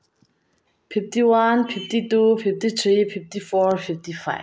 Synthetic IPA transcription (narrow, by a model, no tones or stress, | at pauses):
fiftʰiwanfiftitufiftit̪ʰɹififtifɔɹfiftifaɪ